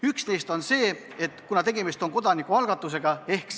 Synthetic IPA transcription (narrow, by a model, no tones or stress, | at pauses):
yksne̞jst̪o̞nse̞ː | et̪ːˑkunɑt̪e̞ɡe̞mist̪o̞ŋko̞d̪ɑnikːuɑlɡ̥ɑt̪ːˑuse̞ɡ̥ɑe̞hk